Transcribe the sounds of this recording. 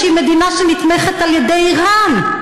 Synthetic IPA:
imed̪inaʃenit̪meχet̪aljed̪ejiʁan

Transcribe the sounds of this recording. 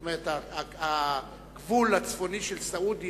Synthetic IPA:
meʁetaa | ɡ̥vulat͡sfo̞niʃelsaudi

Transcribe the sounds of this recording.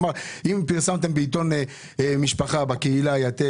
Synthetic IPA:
maʁimpiʁsamt̪embeit̪̬o̞ne | miʃpaχabakeilajat̪e

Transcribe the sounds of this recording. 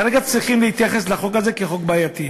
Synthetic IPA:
ʁeɡat͡sʁiχimlehit̪jaχe̞slaχo̞kaze̞keχo̞kbaːjat̪i

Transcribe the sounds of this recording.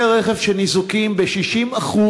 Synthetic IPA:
ʁeχevʃenizukimbeʃiʃimaχu

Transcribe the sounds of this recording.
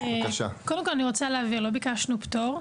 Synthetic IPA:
kaʃa̰kodemkolaniʁot͡saleaviʁlo̞bikaʃnuptoʁ

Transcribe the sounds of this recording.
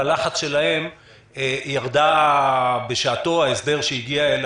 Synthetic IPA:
laχat͡sʃe̞lahe̞m | ejaʁd̪a | be̞ʃaːt̪o̞aesd̪e̞ʁʃeiɡiael

